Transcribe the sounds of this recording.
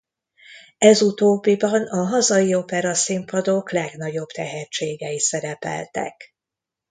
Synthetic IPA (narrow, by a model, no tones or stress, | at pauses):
ɛzut̪oːbːibɒnɒɦɒzɒjio̞pɛɾɒsimpɒd̪o̞klɛɡnɒɟo̞b̥t̪ɛɦɛt͡ʃːeːɡɛisɛɾɛpɛ̰lt̪ɛ̰k